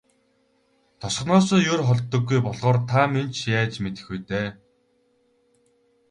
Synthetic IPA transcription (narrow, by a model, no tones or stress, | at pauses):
t̪ʰɔsχnɔːsɔːjʊrχɔɮt̪ːɞ̆ɡːujpɔɮʁɔːrt̪ʰament͡ɕjaːt͡ɕmet̪ɘ̆xujt̪eː